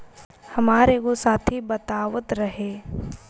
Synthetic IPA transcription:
hɐmaːɾekosaːt̪ʰibɐt̪aːʋət̪ɾɐɦeː

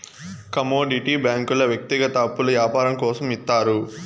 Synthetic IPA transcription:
kɐmoːɖiʈibjaːŋkulɐʋjɐk̚t̪iɡɐt̪aːpːulɐjaːpaːɾɐŋkɔːsɐmit̪ːaːɾu

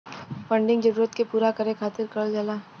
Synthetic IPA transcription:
fə̃ɳɖɪ̃ŋɡd͡ʒɐɾuːɾət̪kepuːɾakɐɾẽkʰaːt̪ɪɾkɐld͡ʒalaː

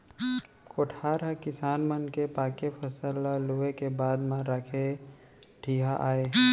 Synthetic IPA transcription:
koːʈʰaːɾɦakɪsaːnmənkepaːkepʰəsəlaluekebaːd̪mãɾakʰe | ʈʰiːɦaʔaːeː

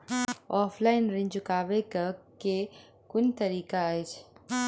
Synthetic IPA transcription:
ɔːpʰlaːɪnɾɪ̃ɲd͡ʒʊkaːʋekake | kʊnt̪ɐɾiːkajt͡ʃʰ

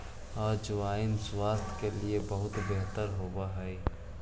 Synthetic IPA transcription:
ɔːɾd͡ʒoaːɪnswaːst̪ʰkeliebəɦʊt̪beɦt̪əɾɦoːbaɦɛː

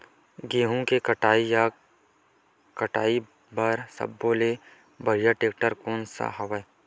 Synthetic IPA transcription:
ɡeːɦũkekəʈaːija | kɐʈaːi | bəɾsɐ̰bːoːle | bɐɽijaʈeːk̚ʈəɾkoːnsa̰ɦɐʋə

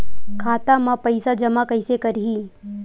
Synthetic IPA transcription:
kʰaːt̪amãpəɪsad͡ʒɐmakəɪsekɐɾɦiː

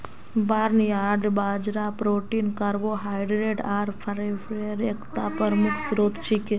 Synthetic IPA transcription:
baːɾniaɖbad͡ʒɾapɾoʈinkəɾʋoɦajɖɾeɖaɾpʰɾefɾeɾekʰt̪apəɾmukʰsɾot̪ʃʰike

